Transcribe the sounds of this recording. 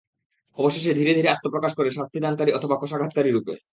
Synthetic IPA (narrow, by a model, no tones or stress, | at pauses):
ɔboʃeʃ̬ed̪ʱiɾed̪ʱiɾeat̪ːopɾokaʃkoɾeʃast̪ʰid̪ankaɾiɔt̪ʰobakoʃaɡʱat̪̚kaɾiɾupḛ